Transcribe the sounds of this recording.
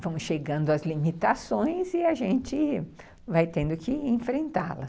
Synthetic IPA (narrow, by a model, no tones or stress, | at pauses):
vɐ̃w̃ʃeɡɐ̃nd̪ʊɐzlimit̪asõj̃zɪaʒẽnt͡ʃɪ | vajt̪ẽnd̪ʊkɪẽfɾẽnt̪a̰lɐ̰s